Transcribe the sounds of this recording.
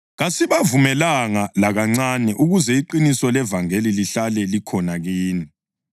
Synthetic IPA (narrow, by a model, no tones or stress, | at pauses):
ɣasiβavumɛlaŋalaɣaŋ͡ǀanɛʔuɣuzɛiǃinisɔlɛvaŋeliliɬalɛlikʰɔnaɣiːni